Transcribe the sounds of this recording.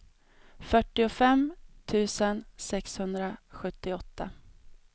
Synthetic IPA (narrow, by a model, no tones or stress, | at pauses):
fœʈːɪʊfɛmt̪ʰʉ̟ːsənsɛkshɵnd̪ɾaɧɵt̪ːɪɔt̪ːa